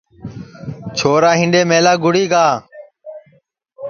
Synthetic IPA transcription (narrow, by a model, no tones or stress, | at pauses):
t͡ʃʰoːɾaːɦɪ̃ɳɖeːmeːlaːɡʊɽiːɡaː